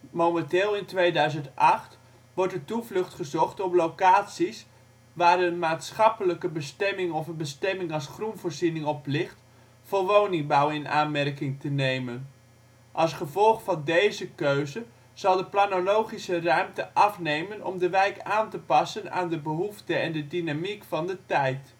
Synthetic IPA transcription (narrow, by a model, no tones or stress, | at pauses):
mowmɛntɪːlˠɪntʋejdœɥzəntɑχt | ʋɔɹtdətuvlɵχtχəzɔχtɔplowkaːtsis | ʋaːrənmaːtsχɑpələkəbəstɛmɪŋɔfənbəstɛmɪŋɑlˠsχrunvoːrzinɪŋɔplɪχt | foːɹʋownɪŋbawɪna̰ːnmɛrkɪŋtənejmən | ʔɑlˠsχəvɔlˠχfɑndejzəkøɥzə | z̥ɑlˠdəplanolowχisərœɥmtəʔɑfnejmənɔ̰mdəʋɛjkaːntəpɑsəna̰ːndəbəɦuftəɛndədinamikfɑndətɛjt